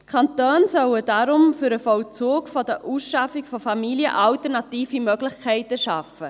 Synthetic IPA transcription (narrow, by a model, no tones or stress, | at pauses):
kʰɑntøːnsœwəd̥aɾʊmfyɾəfɔwlt͡soːkfɔd̥əʔuːsʃɑfɪkfɔfɑmiliə̰ʔɑltəɾnɑtiːfimœɡlɪχkʰɛɪtəʃɑfə